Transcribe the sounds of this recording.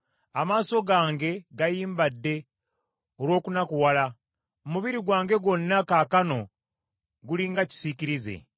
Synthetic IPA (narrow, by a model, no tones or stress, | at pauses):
amaːso̞ɡaːŋɡe̞ɡajiːmbadːe̞ | oɾwo̞ːkunakuwala | omuβiɾiɡwaːŋɡe̞ɡo̞nːakaːkano̞ | ɡuliŋɡaci̥siciɾize̞̰